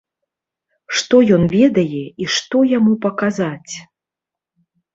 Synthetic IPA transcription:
ʂt̪ɔjɔnvʲɛd̪ɐjɛiʂt̪ɔjamupɐkazat͡sʲ

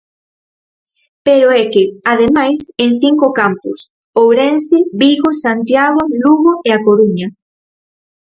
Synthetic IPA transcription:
peɾoɛkɪaðemajseŋθiŋkokampʊs | owɾɛnsɪβiɣosant̪jaɣoluɣoʔeakoɾuɲa

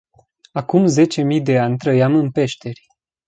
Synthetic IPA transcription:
akumze̞t͡ʃe̞mijd̪e̞anʲt̪ɾəjamɨnpe̞ʃt̪e̞rʲ

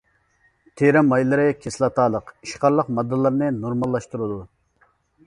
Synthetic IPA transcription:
t̪ʰeɾɛmɑjlˠɨɾɨkʲʰeslˠɑt̪ʰɑːlˠəqiʃqɑɾlˠəqmɑd̪ːɨlˠɨɾnɨnoɾmɑlˠːɑʃt̪uɾɨd̪u

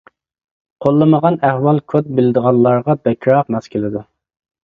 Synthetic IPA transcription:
qʰolˠːəməʁɑnæhwɑlˠkʰot̪̚bɪlɪd̪əʁɑnlˠɑɾʁɑbɛkʰʲɾɑq̚mɑskʲʰilɪd̪u

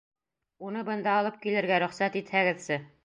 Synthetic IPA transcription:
unɤbɤ̆nd̪ɑːlˠɤp̚kilɘ̆ɾɡæɾɵ̆χsæt̪it̪hæɡɘ̆ðsɘ

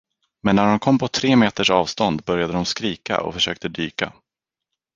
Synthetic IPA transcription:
mɛnːæɖɔmkʰɔmːpʰɔt̪ʰɾeːmeːt̪əʂɑːvst̪ɔnd̪bœɾjad̪əd̪ɔmskɾiːka̰ʔɔ̰fœʂøːk̚t̪əd̪yːka̰

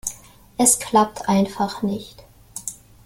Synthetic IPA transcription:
ʔɛskʰl̥ap̚tʰʔaɪnfaχnɪçt

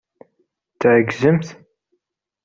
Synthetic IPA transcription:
θʕəɡzəmθ

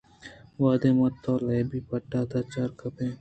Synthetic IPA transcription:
ʋaːd̪eːmɐt̪ʰːɔːlɐjbiːpɐʈːaːt̪ʰaːt͡ʃaːɾkɐpẽː

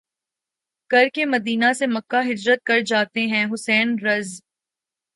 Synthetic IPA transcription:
kɐɾkemɐd̪iːnasemɐkːaɦɪd͡ʒɾət̪̚kɐɾd͡ʒaːt̪eɦɛ̃ɦʊsɛːnɾɐz

